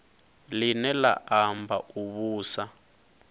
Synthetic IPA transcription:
linɛla̰ʔambʱaʔuβuːsa

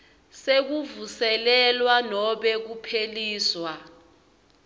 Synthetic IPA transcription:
sek̬uvusɛlɛlwanɔɓɛk̬upʰeliːswa

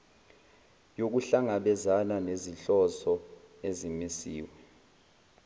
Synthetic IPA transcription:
jok̬uɬaŋaɓɛzananeziɬɔsɔ | ezimisḭːwɛ

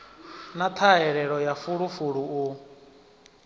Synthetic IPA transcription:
nat̪ʰaɦɛɺɛɺɔjafuɺufuɺuu

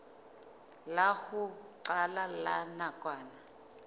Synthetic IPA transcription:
lahuǀalalanakʼwaːna

